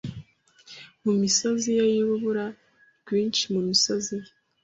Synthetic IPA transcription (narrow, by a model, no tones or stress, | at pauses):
mumisozijajiβuβuɾa | ɡ̥wiːnt͡ʃimumisozi